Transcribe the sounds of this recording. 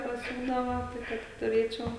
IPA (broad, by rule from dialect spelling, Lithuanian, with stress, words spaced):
pɐˈsʲuːdɐʋɐ ˈtɐɪ kɐt ɪ tʊˈrʲeːt͡ʃʲɛʊ